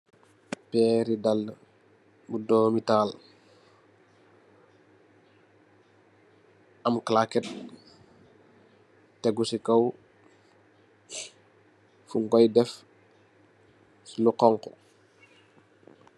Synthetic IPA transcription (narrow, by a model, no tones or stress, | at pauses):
pɛɾidalːə | budɔːmitaːl | ɐmklakɛt̚ | tɛɡusikɐw | fuŋɡɔjdɛf | sluqɔŋkɔ